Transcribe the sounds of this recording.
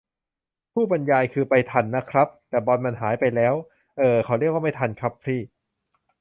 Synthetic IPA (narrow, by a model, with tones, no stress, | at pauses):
pʰuː˥˩ba˧njaː˧jkʰɯː˧pa˧jt̪ʰa˧nːa˦˥kʰɾa˦˥p̚t̪ɛː˨˩bɔː˧nma˧nɦaː˩˦jpa˧jlɛː˦˥w | ʔɤː˧kʰa˦˩wɾi˥˩ək̚waː˥˩ma˥˩t̪ʰa˧nkʰɾa˦˥pʰːɾiː˥˩